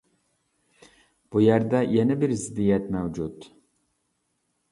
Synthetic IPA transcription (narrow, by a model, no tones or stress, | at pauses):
b̥ujæɾd̪ɛjɛnɪbɪɾzɪd̪ijɛt̪mɛwd͡ʒut̪